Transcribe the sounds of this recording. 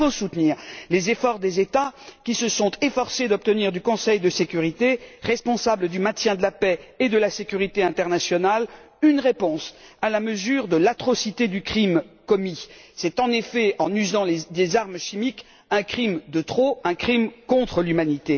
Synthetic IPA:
osut̪niːʁlezefɔʁd̪ezet̪akʲisəsɔ̃t̪efɔʁsed̪ɔp̚t̪əniʁd̪ykɔ̃sɛjd̪əsekʲyʁit̪eʁɛspɔ̃sabləd̪ymɛ̃t̪jɛ̃d̪əlapɛed̪əlasekʲyʁit̪eɛ̃t̪ɛʁnasjɔnal | ynʁepɔ̃salaməzyʁd̪əlat̪χɔsit̪ed̪ykχimkɔmisɛt̪ɑ̃nefɛɑ̃nyzɑ̃ld̪ezaʁmʃimik | ɛ̃kχimd̪ət̪χoɛ̃kχimkɔ̃t̪χəlymanit̪e

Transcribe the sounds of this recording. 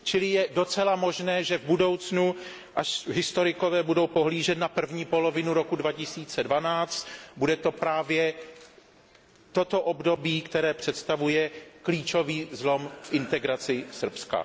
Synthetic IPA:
t͡ʃɪlɪjɛdo̞t͡sɛlamo̞ʒnɛːʒɛvbudo̞wt͡snu | ʔaʃɦɪst̪o̞ɾɪko̞vɛːbudo̞wpo̞ɦliːʒɛt̪napr̩vɲiːpo̞lovɪnuɾo̞kudvacɪsiːt͡sɛdvanaːt͡st̪budɛt̪o̞pɾaːvjɛ | t̪ot̪o̞ʔobdo̞biːkt̪ɛɾɛːpr̝̥ɛt̪st̪avujɛkliːt͡ʃo̞viːzlo̞mfʔɪnt̪ɛɡɾat͡sɪsr̩pska̰

